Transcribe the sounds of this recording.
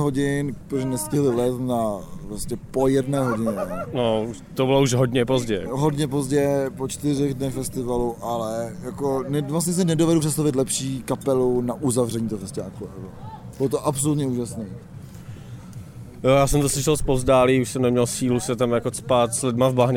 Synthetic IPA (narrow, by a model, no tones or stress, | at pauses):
ɦoɟɪnpɾoʒnɛscɪɦlɪvlɛst̪napɾoscɛpo̞jɛdnɛːɦo̞ɟɪɲɛno | t̪obɪlouʃɦodɲɛpozɟɛɦodɲɛp̬o̞zɟɛpot͡ʃt̪ɪrɛɣdnɛxfɛst̪ɪvaluʔalɛjako̞nɛvlas̬ɲɛs̬ɛnɛdovɛduprɛts̬t̪avɪt̪̬lɛpʃiːkapɛlunaʔuzavrɛɲit̪ofɛscaːkuavo | b̥ɪlot̪oʔapsolut̪ɲɛuːʒasniː | jojaːsɛmt̪oslɪʃɛlspozdaːliuʃsɛmnɛmɲɛlsiːlusɛt̪amjakot͡spaːt̪slɪdmavbaɦɲɛ